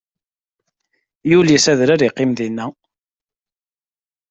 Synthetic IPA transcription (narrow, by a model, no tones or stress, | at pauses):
julisæðɾaɾiqːɪmðinːæ